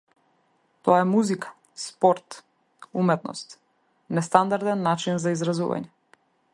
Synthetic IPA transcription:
t̪ɔaɛmuzikḁ | spɔɾt̪ | umɛt̪nɔ̰st̪ | nɛst̪and̪aɾd̪ɛnːat͡ʃinzaizɾazṵva̰ɲɛ

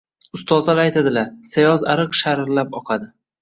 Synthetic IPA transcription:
ʊst̪ɒzd̪alajt̪ʰad̪ɪlasajɒzaɾɨqʃaɾɾlapɒqʰɑd̪ɪ

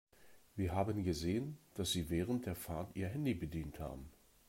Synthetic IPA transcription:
viːɐɦaːbənɡəzeːənd̥asz̥iːvɛːʁənt̚d̥eːɐfaɐtʔḭːɐɦɛndibədiːntha̰ːbm̩

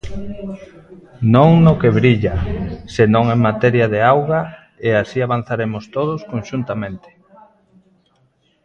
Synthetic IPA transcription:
nõŋnokeβɾiʎasenõŋeŋmat̪ɛɾjaðeawɣa | easiaβ̞an̟θaɾemʊst̪oð̞ʊskonʃunt̪amẽnt̪ɪ̥

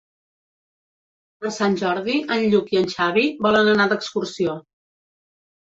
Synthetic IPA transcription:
pəɾsanʲʒɔɾðiʔənʎukiənʲʃaβ̞iβɔlənənad̪əkskursio

